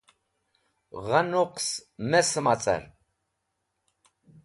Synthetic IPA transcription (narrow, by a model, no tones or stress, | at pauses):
ʁanuqsmɛsəmat͡sʼa̰ɾ